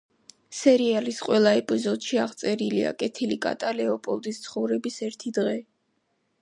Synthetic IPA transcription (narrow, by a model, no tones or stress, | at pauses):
sɛɾialisqʼwɛlˠaɛpʼizɔd̪ʃiaʁt̪sʼɛɾilḭa̰kʼɛt̪ʰilikʼa̰t̪ʼalɛɔpʼɔlˠd̪ist̪sʰχɔvɾɛbisɛɾt̪ʰid̪ʁɛ